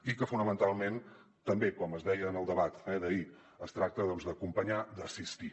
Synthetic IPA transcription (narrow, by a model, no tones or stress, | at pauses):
ikəfunəmənt̪alˠmen | t̪əmbekɔməzðɛjəːnəlˠd̪əβat̪ɛðəi | əst̪ɾak̚t̪əðɔnzðəkumpəɲad̪əsist̪i